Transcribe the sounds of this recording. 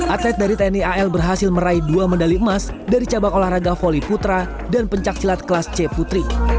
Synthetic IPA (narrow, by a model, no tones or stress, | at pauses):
ʔat̪lɛt̪̚daɾit̪ɛniaɛlbərɦasɪlməɾaiduaməndaliəmas | daɾit͡ʃabakolahraɡafoliput̪ɾa | danpəɲt͡ʃak̚silat̪̚kəlast͡ʃɛput̪ɾi